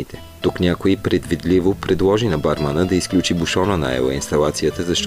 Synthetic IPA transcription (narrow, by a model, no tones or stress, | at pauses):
it̪ɛ | t̪uknʲakoipɾɛd̪vid̪livopɾɛd̪lˠɔʒinɐbaɾmənəd̪ɐisklʲut͡ʃibuʃɔnəna̰ɛ̰lˠə̰inst̪ɐlˠat̪sijət̪əzɐʃt̪